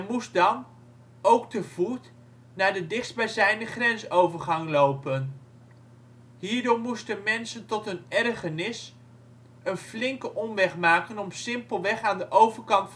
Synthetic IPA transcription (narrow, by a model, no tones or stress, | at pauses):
ɛmusdɑn | owktəv̥ut | naːɹdədɪχsbazɛjnəχrɛnsowvəɹχɑŋlowpən | ɦiːɹdoɹmustənmɛnsəntɔtɦənɛrχənɪs | ənflɪŋkəʔɔmʋɛχmaːkənɔmsɪmpəlˠʋɛχaːndəʔowvəɹkɑntf